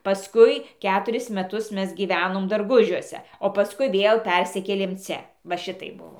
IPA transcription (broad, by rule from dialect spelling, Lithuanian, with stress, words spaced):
pɐˈskʊɪ ˈkʲæːtʊrʲɪs mʲɛˈtʊs ˈmʲɛs ɡʲiːˈʋʲæːnoːm dɐrˈɡʊʒʲuɔsʲɛ oː pɐˈskʊɪ ˈʋʲeːlˠ ˈpʲɛrʲsʲɪkʲeːlʲeːm ˈt͡sʲɛ ʋɐ ˈʃʲɪtɐɪp ˈbʊʋoː